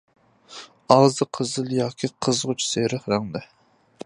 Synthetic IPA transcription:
ɑʁzɨqʰəzɨlˠjɑːkʲʰiqʰəzʁʊt͡ʃʰseɾəχɾæŋd̪ɨ

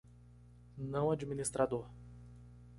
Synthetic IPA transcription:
nɐ̃w̃ad͡ʒminist̪ɾad̪oɾ

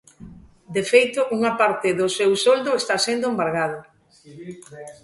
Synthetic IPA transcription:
d̪efejt̪ʊʔuŋapaɾt̪ɪðʊsewsold̪ʊest̪asend̪ʊembaɾɣað̞ʊ

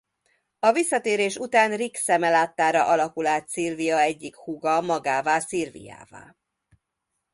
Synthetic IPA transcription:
ɒvisːɒt̪eːɾeːʃut̪aːnriksɛmɛlaːt̪ːaːɾɒʔɒlɒkulaːt̪siːrvijɒɛɟːikhuɡɒmɒɡaːvaːsirvḭja̰ːva̰ː

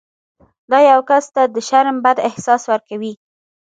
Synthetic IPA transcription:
d̪ɑjawkast̪ad̪əʃaɾmbad̪ɪhsɑswaɾkawi

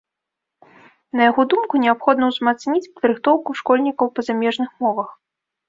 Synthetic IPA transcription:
nɐjaɣɔd̪umkunʲɛapxɔd̪nɐwzmat̪snʲit͡sʲpɐd̪ɾɨxt̪ɔwkuʂkɔlʲnʲikɐwpɐzamʲɛʐnɨxmɔvɐx

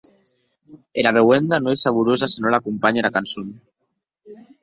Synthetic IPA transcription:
elaβ̞eɣwend̪anoesaβ̞uɾozasinolakumpaɲeɾakansun

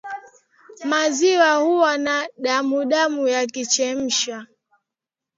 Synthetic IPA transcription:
maziwahuwanaɗamuɗamujakit͡ʃɛm̩ʃa

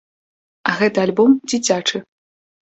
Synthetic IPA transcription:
ɐɣɛt̪ɐalʲbɔmd͡zʲit͡sʲat͡ʂɨ

